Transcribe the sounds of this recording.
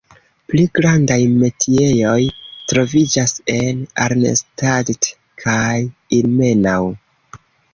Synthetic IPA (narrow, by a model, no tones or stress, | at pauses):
pliɡɾandajme̞tʰie̞jo̞jtɾo̞vid͡ʒase̞na̰ɾnḛstadt | kʰajilme̞naw